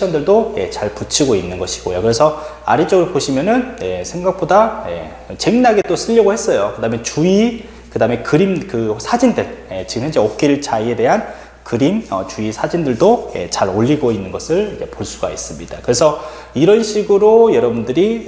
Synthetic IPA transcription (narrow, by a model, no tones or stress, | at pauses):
ʌndɯɭdoje̞̰t͡ɕaɭput͡ɕʰiɡoinːɯnɡʌɕʰi̥ɡ̥ojokɯɾe̞sʰʌa̰ɾit͡ɕ͈ʌɡɯɾopoɕʰimjʌnɯnje̞sʰe̞ŋɡak̚p͈odajḛ | t͡ɕe̞ŋnaɡe̞t͈osʰɯʎːʌɡohe̞s͈ʌjokɯdaːme̞t͡ɕui | kɯdame̞kɯɾimkɯsʰad͡ʑindɯɭje̞t͡ɕiɡɯmçjʌnd͡ʑeok̚k͈iɭt͡ɕaie̞de̞ɦan | kɯɾimʌ̰t͡ɕuisʰad͡ʑindɯɭdoje̞̰t͡ɕaɾoʎːiɡoinːɯnɡʌsʰɯɭd͡ʑepoɭs͈uɡais͈ɯmɲidakɯɾe̞sʰʌ | iɾʌnɕʰiɡɯɾojʌɾʌbundɯɾi